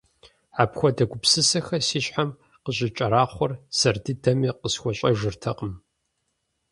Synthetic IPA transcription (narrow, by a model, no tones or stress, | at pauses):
ʕaːpxʷɔdɐɡʷʊpsɨsɐxɐsiːɕħam | qəɕʼɪt͡ʃʼɐɾaːχʷɔrsɐrdɨdɐmiːqəsxʷɔɕʼɐʒɨrtʰɐqʼəm